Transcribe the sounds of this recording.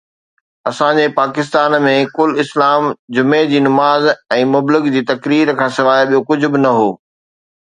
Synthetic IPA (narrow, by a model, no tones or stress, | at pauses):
ɐsãd͡ʑepaːkɪs̬t̪aːnmẽkʊlɪslaːmd͡ʑʊmed͡ʑiːnʊmaːzɛ̃ːmʊblɪɡd͡ʑiːt̪ɐkɾiːɾkʰãːsɪʋaːjɓijokʊd͡ʑʱʊbɪnɐɦoː